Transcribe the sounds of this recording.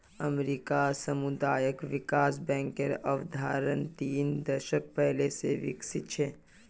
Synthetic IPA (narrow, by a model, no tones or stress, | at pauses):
əmɾiːkasəmʊd̪aːjəkʋɪkaːsbɛ̃ːŋkeɾɔʋd̪ʱaːɾənt̪iːnd̪əɾʃək̚pɛɦleseʋɪ̰ksɪt̪̚t͡ʃʰɛː